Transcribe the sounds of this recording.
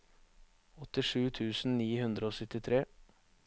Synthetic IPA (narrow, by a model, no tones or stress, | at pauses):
ɔt̪ɪʂʉːt̪ʰʉːsn̩niːhʉnd̪ɾəoːsʏt̪ɪt̪ʰɾeː